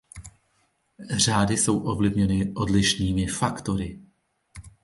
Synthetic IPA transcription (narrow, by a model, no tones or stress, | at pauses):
r̝aːdɪso̞wʔo̞vlɪvɲɛnɪʔo̞dlɪʃniːmɪfakt̪o̞ɾɪ